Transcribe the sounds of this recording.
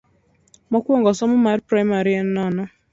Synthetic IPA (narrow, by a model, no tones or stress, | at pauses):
mɔkʷuɔŋɡɔsɔmʊmaɾpɾajmaɾiɛn̩nɔnɔ